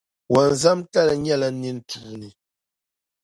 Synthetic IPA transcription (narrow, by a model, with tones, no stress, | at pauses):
wa˨n˨za˦mta˦˨la˨ɲa˦˨la˨˦ni˦n˦tu˨ni˨